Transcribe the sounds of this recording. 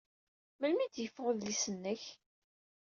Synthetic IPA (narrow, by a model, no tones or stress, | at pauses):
məlmid̪jəfːʁəðlisənːəç